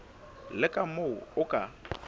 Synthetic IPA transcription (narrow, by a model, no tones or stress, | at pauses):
lɪkʼamoʊʊkʼa